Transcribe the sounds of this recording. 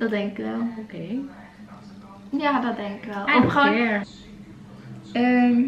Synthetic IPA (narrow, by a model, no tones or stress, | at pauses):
d̥ɔt̚dɛŋkɪkʋɛlˠokej | jaːdɔd̚dɛŋkɪkʋɛlˠɔpχoɛɹ | əm